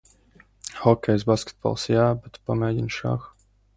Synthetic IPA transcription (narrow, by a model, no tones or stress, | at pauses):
hɔkɛjzbaskɛ̥t̪̚bɔ̰lˠsiabɛt̪pɔmɛɟinʃa̰x